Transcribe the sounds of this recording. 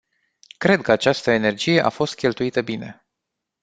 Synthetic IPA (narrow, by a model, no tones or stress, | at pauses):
kɾe̞d̪̚kəat͡ʃast̪əene̞rd͡ʒije̞ʔa̰fo̞st̪̚kʲe̞lt̪uit̪əbine̞̰